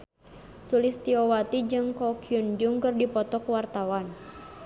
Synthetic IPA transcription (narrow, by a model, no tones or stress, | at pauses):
sulist̪iɔwat̪id͡ʒɨŋkɔkʰiund͡ʒuŋkɨrdipɔt̪ɔkwart̪awan